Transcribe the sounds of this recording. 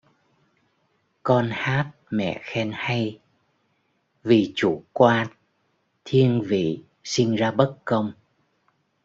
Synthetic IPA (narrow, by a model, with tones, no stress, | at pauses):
kɔ˧nhaː˦˥t̚mɛ̰˧˨xɛ˧nha˧j | vi˨˩t͡ɕu˧˩˦kwaː˧n | t̪ʰi˧əŋvḭ˧˨ | si˧ŋzaː˧ɓə˦˥t̚kə˧wŋ͡m